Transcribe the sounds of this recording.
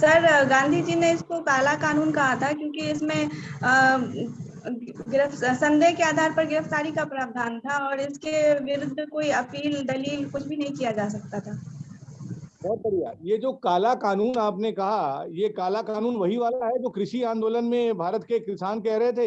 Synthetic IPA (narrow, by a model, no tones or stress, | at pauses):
sɐɾɡãːnd̪ʱid͡ʒineɪskokaːlakaːnuːnkɐɦat̪ʰakjõːkiɪsmẽ | ɡɪɾəfsɐ̃nd̪eːɦkeaːd̪ʱaːɾpɐɾɡɪɾəft̪aːɾikapɾaːbd̪ʱaːnt̪ʰaɔːɾɪskeʋɪɾʊd̪ʱːkoːiɐpiːld̪ɐliːlkʊt͡ʃʰbʱinɐɦĩkijad͡ʒaːsɐk̚t̪at̪ʰaː | bɛːp̪ɐɾijajeːd͡ʒoːkaːlakaːnuːnaːpnekɐɦajekaːlakaːnuːnʋɐɦiʋaːlaɦɛd͡ʒoːkɾɪʃiãːnd̪oːlənmẽbʱaːɾət̪kekɾɪsaːnkɛɦɾɐɦet̪ʰeː